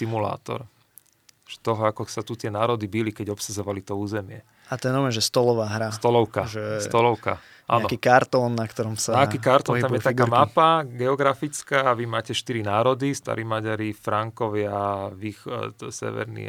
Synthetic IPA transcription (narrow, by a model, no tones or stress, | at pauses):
simula̰ːt̪ɔ̰ɾ | ʒ̥ɛ̥t̪ɔɦɔakɔsat̪ut̪ɪɛnaːɾɔd̪ibilikɛɟɔpsazɔʋalit̪ɔuːzɛmɪɛ | at̪ɔɛnɔmɛnʒɛst̪ɔlɔʋaːɦɾast̪ɔlɔʊkaʒɛsɔlɔʊka̰ | ʔa̰ːnaɔkiːkaɾt̪ɔːnːakt̪ɔɾɔmsaaakiːkaɾt̪ɔt̪amjɛt̪akɡamapaɡɛɔɡɾafit͡skaːʋimaːcɛʃt̪iɾinaːɾɔd̪ist̪a̰ɾimaɟaɾifɾaŋkɔʋɪaʋiːxt̪sɛ̰ʋɛ̰ɾnḭ